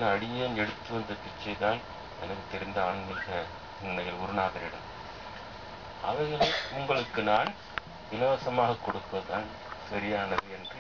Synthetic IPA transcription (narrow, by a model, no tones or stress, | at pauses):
lɐɐɽɪjɐːnɛɽɯt̪ːɯʋɐnd̪ɐpɪt͡ʃːɐɪt̪aːn | ɛ̰nɐkːɯt̪ːɛɾɪnd̪ɐaːɳɯnɪɾɣɐ | ɪnːɐɣɐɭɡʊɾɯnaːɣɐɾɪɽɐ̰m | ʔɐ̰ʋɐɪɣɐɭɐʊŋɡɐɭɯkːɯnaːn | d̪ɪlɐʋɐsɐmaːɣɐkːɔɽɯpːɐðaːn | sɐɾɪjaːnɐðɯɛndrɯ